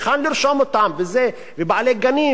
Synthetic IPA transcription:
xanliɾʃomot̪amveze | vebaʕleɡani

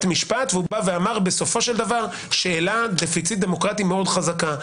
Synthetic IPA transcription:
t̪miʃpat̪vubaveamaʁbe̞so̞fo̞ʃeld̪avaʁ | ʃe̞ːlad̪efit͡sit̪̚d̪e̞mo̞kʁat̪ime̞o̞d̪χazaka

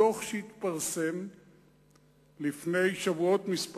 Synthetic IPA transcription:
oχʃehit̪paʁse̞m | lifne̞jʃavuo̞t̪misp

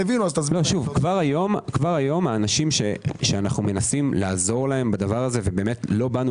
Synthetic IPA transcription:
evinuazt̪azlo̞ʃuvkvaʁajo̞mkvaʁajo̞maːnaʃimʃe̞ʃeanaχnume̞nasimlaːzo̞ʁlae̞mbad̪avaʁaze̞ve̞be̞ːmetlo̞banu

